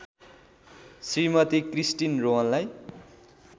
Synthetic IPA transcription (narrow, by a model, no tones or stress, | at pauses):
srimʌt̪ikrisʈinrowʌnlaj